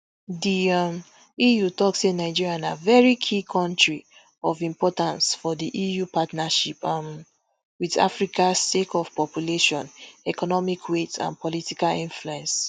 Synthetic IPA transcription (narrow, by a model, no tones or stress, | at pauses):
diam | ijutɔksenaɪd͡ʒiɹiãnavɛɹikʰikʰɔ̃ntɹi | ɔvĩmpɔtãnsfɔdiʔijupatnaʃipm | wida̰fɹikasekʰɔv̥pɔpjuleʃɔ̃nɛkɔnɔmikʰwetʰã̰npɔlitikalĩnfluɛ̃ns